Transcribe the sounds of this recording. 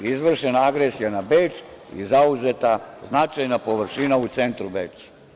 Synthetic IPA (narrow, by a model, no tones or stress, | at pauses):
izʋr̩ʃenaaɡɾesijanabeːt͡ʃ | ḭzauzet̪aznat͡ʃajnapo̞ʋr̩ʃinaut̪se̞nt̪ɾubeːt͡ʃ